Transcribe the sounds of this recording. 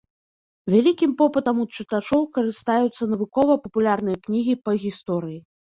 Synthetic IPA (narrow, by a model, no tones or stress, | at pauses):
vʲalʲikʲimpɔpɨt̪ɐmut̪t͡ʂɨt̪at͡ʂɔwkɐɾɨst̪ajut̪sːɐnɐvɨkɔvɐpɐpulʲarnɨjɐknʲiɣʲipɐɣʲist̪ɔɾɨji